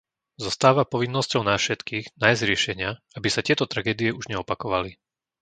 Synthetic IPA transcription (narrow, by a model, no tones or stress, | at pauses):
zɔst̪aːʋapɔʋinːɔscɔʊnafʃɛt̪kiːɣnaːjzɾɪɛʃɛɲɪa | abisatɪɛt̪ɔt̪ɾaɡɛːd̪ijɛuʒɲɛɔpakɔʋali